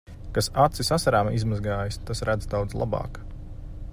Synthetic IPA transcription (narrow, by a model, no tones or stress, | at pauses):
kasat̪sisasaɾaːmizmazɡaːjst̪asɾæd̪zd̪awd̪zlˠa̰bɑ̰ːk